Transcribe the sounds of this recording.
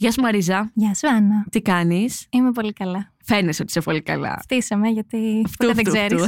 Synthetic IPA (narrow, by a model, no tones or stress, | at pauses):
ʝɐsmɐɾizɐʝɐsuɐnɐt̪ikɐnisimepo̞likɐlɐ | fe̞neso̞t̪i̥sepo̞likɐ̰lɐ̰ft̪isɐmeʝɐt̪iftpot̪ueðet̪zeɾis